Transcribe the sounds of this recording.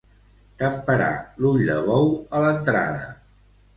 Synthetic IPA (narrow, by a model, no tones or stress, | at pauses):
k̪əmpəɾa̰luʎd̪ə̰βɔwələnt̪ɾa̰ðə̰